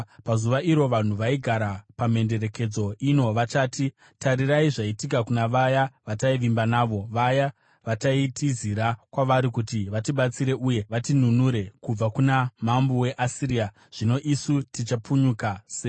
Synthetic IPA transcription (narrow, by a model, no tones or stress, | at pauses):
pazuʋaʔiɾo̞ʋan̤uʋaiɡʱaɾapame̞nde̞ɾe̞ke̞d͡zo̞ʔino̞ʋat͡ʃaːti | taɾiraiʐaitikakunaʋajaʋataiʋimbanaːʋo̞ʋaja | ʋataitiziɾakwaʋaɾikutiʋatiɓat͡siɾe̞ʔuje̞ʋatin̤unuɾe̞kub͡vakunamambuwe̞ʔasiɾia | ʐ̥ino̞ʔisutit͡ʃap͡fuɲukase